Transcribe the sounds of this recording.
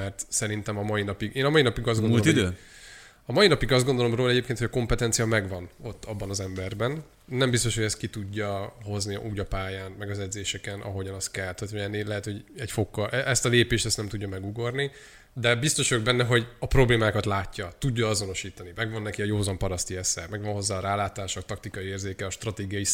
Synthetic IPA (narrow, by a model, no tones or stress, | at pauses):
mɛrt̪sɛɾin̪t̪ɛmɒmɒjinɒpiɡeːnɒmɒjinɒpiɡɒzdɡoon | ɒmɒjinɒpiɡɒzd̪ɡo̞nd̪o̞lo̞mroːlɛɟeːpkent̪hojɒko̞mpɛt̪ɛnt̪sijɒmɛɡʋɒno̞t̪ːɒbːɒnɒzɛmbɛrbɛnː | ɛmbist̪o̞ʃho̞ɟɛst̪̚kit̪uɟːɒɦo̞znḭʔuːɟɒpaːjaːnmɛɡɒzɛd̪zeːʃɛkɛnʔɒ̰ɦo̞ɟɒnɒst̪kɛlt̪øt̪ɛnilɛɦɛt̪ho̞ɟɛcfo̞kːɒʔɛʔɛst̪ɒleːpeːʃt̪ɛst̪nɛmt̪uɟːɒmɛɡuɡo̞rni | d̪ɛbist̪o̞ʃoɡ̚bɛnːɛɦo̞ɟɒpro̞bleːmaːkɒt̪laːcːɒt̪uɟːɒɒzo̞no̞ʃiːt̪ɒnimɛɡʋɒnːɛkiɒjoːzɒmpɒɾɒst̪iɛsɛ̰mɛɡʋɒnɦo̞zːaːɾaːlaːt̪aːʃok̚t̪ɒkt̪ikɒjieːrzeːkɛɒʃt̪rɒt̪eːɡijɒji